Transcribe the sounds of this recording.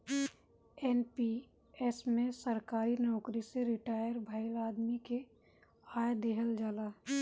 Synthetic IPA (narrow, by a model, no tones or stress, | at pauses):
ɛnpi | ɛsmẽsəɾkaːɾinɔːkɾiseɾɪʈaːjəɾbʱaɪlaːd̪mike | aːjd̪eːɦəld͡ʒaːlaː